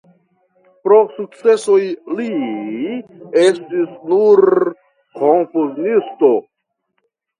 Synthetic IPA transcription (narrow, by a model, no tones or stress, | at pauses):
pɾo̞suk̚t͡se̞so̞jli | estisnuɾ | kʰonfuznisto̞